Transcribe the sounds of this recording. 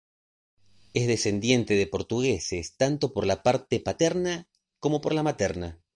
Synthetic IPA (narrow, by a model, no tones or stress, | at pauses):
ezðese̞nd̪je̞nt̪eðepo̞ɾt̪uɣesest̪ant̪o̞po̞ɾlapaɾt̪epat̪eɾna | ko̞mo̞po̞ɾlamat̪eɾna